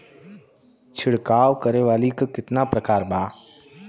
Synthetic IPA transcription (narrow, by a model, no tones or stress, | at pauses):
t͡ʃʰɪɽkaːʋkəɾeʋaːlikakɪt̪napɾəkaːɾbaː